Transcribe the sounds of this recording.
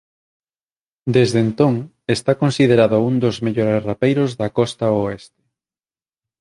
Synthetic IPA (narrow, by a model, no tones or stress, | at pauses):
d̪ezðent̪oŋ | est̪akonsið̞eɾaðound̪ozmeʎoɾesrapejɾozðɐkɔst̪aoest̪e̥